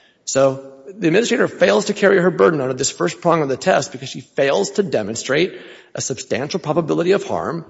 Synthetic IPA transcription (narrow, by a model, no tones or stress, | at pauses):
soʊðiɨd̚mɪnɨstɹ̥eɪɾə˞feɪlˠz̥tʰɨkʰɛɹiə˞bɜ˞dⁿn̩ʌ̃ndə˞ðɪsfɜ˞stpʰɹ̥ɑ̃mʌvðɨtʰɛst̚b̥ɨkʰʌz̥ʃifeɪlˠz̥tʰɨdɛmɨ̃nstɹ̥eɪɾ | ʔɨsɨb̥stæ̃nʃl̩ˠpʰɹ̥ɑbəbɪlˠəɾiʌv̥hɑ̰ɹm